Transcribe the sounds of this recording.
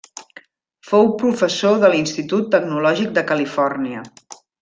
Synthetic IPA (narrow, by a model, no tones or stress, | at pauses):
fowpɾufəsoðəlinst̪it̪ut̪ːəɡnulɔʒik̚d̪əkəlifɔrniə